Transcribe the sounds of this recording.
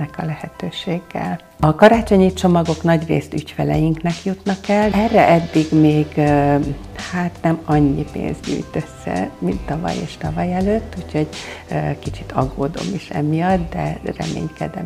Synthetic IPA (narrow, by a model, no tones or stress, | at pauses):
ɛkɒlɛhɛt̪øːʃeːɡːɛ̰l | ɒkɒɾaːt͡ʃo̞ɲit͡ʃo̞mɒɡo̞knɒɟreːst̪ycfɛlɛjiŋknɛkjut̪nɒkɛlɛrːɛʔɛd̪ːiɡmeːɡ | haːt̪nɛmɒɲːipḛːnzɟy̰ːjt̪øsːɛ̰mint̪ːɒvɒ̰jḛːʃt̪ɒvɒjɛløːt̪ːucʰho̞ɟkit͡ʃit̪ʰɒɡːoːd̪o̰miʃɛ̰mijɒt̪d̪ɛ̰rɛ̰mḛːɲkɛ̰d̪ɛ